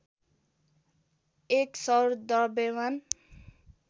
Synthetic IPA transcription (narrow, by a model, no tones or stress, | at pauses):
eksʌɾd̪ʌɾbewan